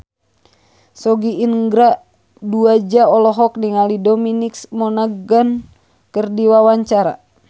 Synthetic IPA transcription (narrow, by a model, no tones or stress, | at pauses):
sɔɡiinɡɾaʔ | duad͡ʒaɔlɔɦɔk̚niŋalidɔminiksmɔnaɡan | kɨrdiwawaɲt͡ʃaɾa̰